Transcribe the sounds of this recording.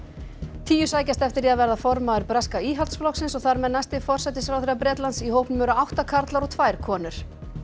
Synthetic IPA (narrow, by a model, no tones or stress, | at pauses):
t̪ʰiːjʏsaːjcast̪ɛft̪ɪɾiaðvɛɾðafɔɾmaɛɾpɾaskaiːɦalt̪sflɔksɪnsɔɣθaɾmɛðnːast̪ɪfɔr̥sɛt̪ɪsfɾawθeɾapɾɛːt̪lansiɦoːwpnʏmœɾaawht̪akʰaɾt̪laɾɔɣt̪ʰvaːjɾ̥kʰɔːnʏɾ̥